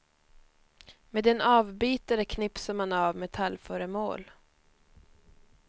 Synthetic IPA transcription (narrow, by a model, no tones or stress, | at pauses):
meːd̪ɛnɑːvbyːt̪əɾəkʰnɪpsəɾmanavmɛt̪ʰalːfœːɾəmo̰ːl